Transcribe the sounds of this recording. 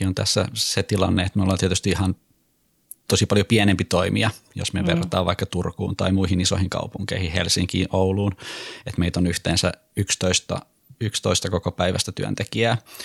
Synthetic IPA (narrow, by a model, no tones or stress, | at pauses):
iont̪æ̰sːæset̪ilɑ̰nːeet̪minulːɑːnt̪iæt̪yst̪iihɑn | t̪osipɑljopiɛnempit̪oimiɑjo̰smyøʋerɑt̪ɑːʋɑikːɑt̪urkṵːnt̪ɑ̰imuihiniso̰hiŋkɑ̰upuŋkḛihihelsiŋkḭːʔouluːnet̪meit̪onyht̪eːnsæ̰ | ykst̪oist̪ɑ̰ | ykst̪oist̪ɑkokopæiʋæst̪æt̪yø̰nt̪ekiæː